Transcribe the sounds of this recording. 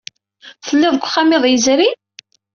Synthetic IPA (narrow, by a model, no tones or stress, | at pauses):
θəlːɪðˤəɡʷχamɪðˤjəzɾi